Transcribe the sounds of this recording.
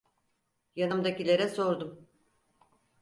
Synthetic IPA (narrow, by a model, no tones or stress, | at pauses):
janɯmd̪acilʲeɾɛso̞ɾd̪um